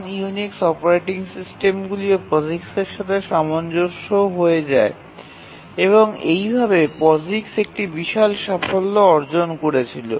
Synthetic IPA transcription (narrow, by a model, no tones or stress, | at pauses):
njuniksɔpoɾejʈiŋsisʈemɡuliopɔzikseɾʃat̪ʰeʃamond͡ʑoʃoɦoed͡ʑae | eβoŋejbʱabepɔziksek̚ʈibiʃalʃafolːoɔɾd͡ʑonkoɾet͡ɕʰilo